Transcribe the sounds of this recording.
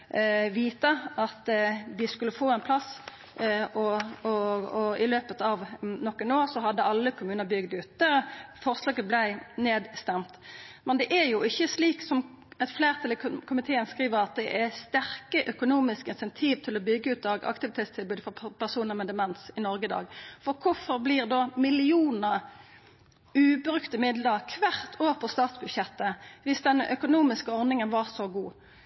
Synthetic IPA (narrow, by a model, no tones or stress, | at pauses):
ʋiːt̪əɑt̪ʋɪskʉlːəfoːɛnpʰlɑs | ʔɔɔɔɪløːpət̪ɑʋnɔkːɛnoːʁsɔɦɑd̪ːəɑlːəkʰʊmʉːnəɾbʏɡd̪ʉːt̪̚d̪ɛfɔɾslɑːɡəblæɪneːd̪st̪ɛmt̪mɛnd̪ɛʔæɾjʊɪçːəsliːksɔm | ɛt̪fleːʁt̪ʰɑləkʰʊmɪt̪ʰeːənskʁiːʋəɾɑt̪̚d̪ɛʔæst̪æʁkəʔœkʊnuːmɪskɪnsɛnt̪ʰiːʋt̪ʰɪlɔbʏɡːəʉːt̪̚ɑɡʔɑ̰kt̪ɪʋɪt̪ʰeːt̪st̪ʰɪlbʉːd̪əfɔpʰæʁsuːnəʁmɛd̪ɛmɛnsɪnɔɾɡəd̪ɑ̰ːɡfɔɾkʰʊfɔʁbliːʁd̪omɪlɪuːnəɾ | ʉːbɾʉkt̪əmɪd̪ləkʰʋæʁt̪ʰoːʁpʰɔst̪ɑːt̪sbʉd̪ɕɛt̪ːəʋɪsd̪ɛnʔœkʊnuːmɪskəɔʁnɪŋənʋɑʁsɔɡuː